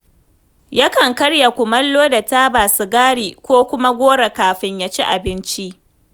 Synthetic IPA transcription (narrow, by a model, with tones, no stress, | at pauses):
ja˦kɐ˨ŋkɐ˦ɽja˨kʷʊ˨mɐ˦lːoː˦da˨taː˦baː˨sʊ˨ɡaː˦ɽiː˨kʷoː˦kʷʊ˦ma˦ɡʷoː˦ɽa˨kaː˨ɸɪ˦ɲjaː˦t͡ʃi˦ʔa˨bɪ˦nt͡ʃi˦ʔ